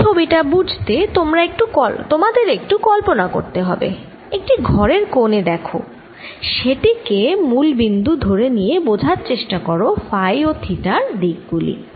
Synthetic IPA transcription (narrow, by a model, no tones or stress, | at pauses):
t͡ɕʰobiʈabud͡ʑʱt̪et̪omɾaek̚ʈukɔt̪omad̪eɾek̚ʈukɔlponako̰ɾt̪eɦɔbḛ | ek̚ʈiɡʱɔɾeɾkoned̪ɛkʰo̰ | ʃeʈikemulbind̪ud̪ʱoɾenijebod͡ʑʱaɾt͡ɕeʃʈakɔɾofajot̪ʰiʈaɾd̪ik̚ɡulḭ